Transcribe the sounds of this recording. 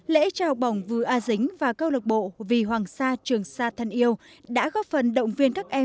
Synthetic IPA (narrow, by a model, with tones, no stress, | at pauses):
lḛ˧˥t͡ɕɔ˧hɔ˨˩wk͡p̚ɓa˨˩wŋ͡mvɨ˨˩ʔaː˧zï˨˦ŋ̟vaː˨˩kə˧wlə˨˩ɓo̰˧˨vi˨˩ɦwaː˨˩ŋsaː˧t͡ɕɨ˨˩əŋsaː˧t̪ʰa˨˧˩ŋʔi˧əw | ɗa̰ː˧˥ɣɔ˦˥p̚fə˨˩nɗə̰˧˨wŋ͡mvi˧ənkaː˦˥k̚ʔɛ˧